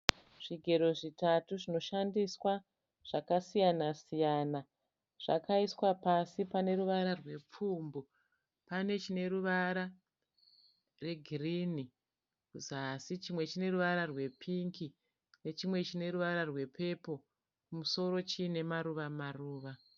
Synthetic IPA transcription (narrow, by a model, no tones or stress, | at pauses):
ʐ̥iɡʱe̞ɾo̞ʐitatuʐino̞ʃandiswa | ʐ̥akasijanasijana | ʐ̥a̰kaiswapasipane̞ɾuʋaɾarwe̞p͡fuːmbo | pane̞t͡ʃine̞ɾuʋaɾa | re̞ɡʱirini | kuzaːsit͡ʃimwe̞t͡ʃine̞ruʋaɾarwe̞pʰiŋki | ne̞t͡ʃimwe̞t͡ʃine̞ɾuʋaɾarwe̞pʰe̞po̞ | kumuso̞ɾo̞t͡ʃine̞maɾuʋamaruːʋa